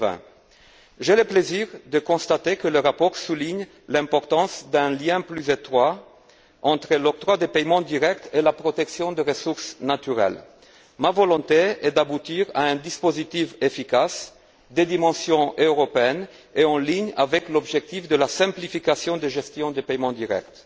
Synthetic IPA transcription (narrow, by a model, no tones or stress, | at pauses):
vɛ̰̃ | ʒeləpleziʁd̪əkɔ̃st̪at̪ekələʁapɔʁsuliɲ | lɛ̃pɔʁt̪ɑ̃sd̪ɛ̃ljɛ̃plyzet̪χwa | ɑ̃t̪χəlɔk̚t̪ʁwad̪epɛjmɑ̃d̪iʁɛk̚t̪ʰelapʁɔt̪ɛksjɔ̃d̪əʁəsuʁsnat̪yʁɛ̰l | mavɔlɔ̃t̪eɛd̪abut̪iʁa̰ɛ̃d̪ispozit̪ifefikas | d̪ed̪imɑ̃sjɔ̃ʔøʁɔpeɛn | eɑ̃liɲa̰vɛklɔbʒɛk̚t̪ifd̪əlasɛ̃plifikasjɔ̃d̪eʒɛst̪jɔ̃d̪epɛjmɑ̃d̪iʁɛ̰k̚t̪